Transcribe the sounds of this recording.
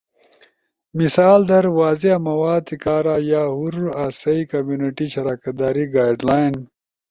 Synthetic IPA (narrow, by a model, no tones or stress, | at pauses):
misaːld̪ɐɾwaːzeamɐwaːd̪̚t̪ʰikaːɾajaːɦuɾuɾaːsɐikɐmjuːniʈiɕɐɾaːkɐt̪̚d̪aːɾiɡaːjɖlaːn